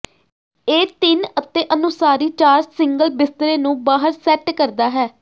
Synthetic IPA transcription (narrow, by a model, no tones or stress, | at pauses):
eːt̪ɪnət̪ːeːʔənʊsaːɾiːt͡ʃaːɾsɪŋɡəlbɪst̪əɾeːnũːbaːɦəɾsɛːʈkəɾd̪aːɦɛː